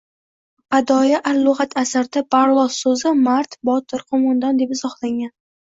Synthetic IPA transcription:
bad̪ɒjaʔalːʊʁat̪ʰasaɾd̪apʰaɾlˠɒsːɵzɪmaɾt̪bɒt̪ʰɪɾqʰomɒnd̪and̪e̞pɪz̥ɒhlˠaŋʲan

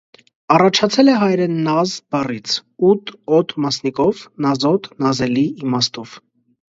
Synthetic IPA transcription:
ɑrɑt͡ʃʰɑt͡sʰɛlɛɦɑjɾɛnːɑzbɑrit͡sʰut̪ʰɔt̪mɑsnikɔvnɑzɔt̪nɑzɛliimɑst̪ɔv̥

